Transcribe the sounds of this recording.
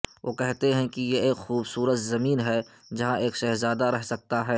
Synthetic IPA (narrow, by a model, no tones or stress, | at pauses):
ʋʔoːkɛɦt̪eɦɛ̃kijeeːkxuːbsuːɾət̪zɐmiːnɦɛ | d͡ʒɐɦãʔeːkʃɛɦzaːd̪aɾɛɦsɐk̚t̪aɦɛː